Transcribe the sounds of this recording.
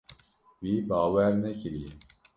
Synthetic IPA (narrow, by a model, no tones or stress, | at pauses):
wiːbɑːwɛɾnɛkʰɨɾie